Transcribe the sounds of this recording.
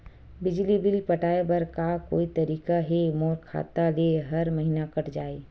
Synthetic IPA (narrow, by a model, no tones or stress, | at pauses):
bɪd͡ʒlibɪlpɐʈaːebɐɾkako̰ːit̪ɐɾiːkaɦemɔːɾkʰa̰ːt̪aleɦɐɾmɐɦinakɐʈʰd͡ʒaːeː